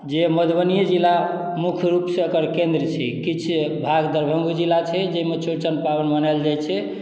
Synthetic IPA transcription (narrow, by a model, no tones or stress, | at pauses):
d͡ʒeməd̪ʱbənijəd͡ʒilːa | mukʰɾupseokəɾkend̪ɾt͡ʃʰɛkit͡ʃʰbʱaɡd̪əɾbʱəŋɡud͡ʒilːat͡ʃʰɛd͡ʒeimet͡ʃuɾt͡ʃənpabənbənald͡ʒajt͡ʃʰɛ